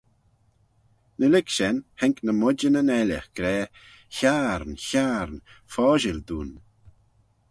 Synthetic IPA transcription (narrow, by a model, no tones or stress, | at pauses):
nəlɪkʃɛnhɛŋknəmʊd͡ʒənənɛlə̰xɡ̥ɾɛː | çaɾnçaɾnfɔːʒɪld̪uːn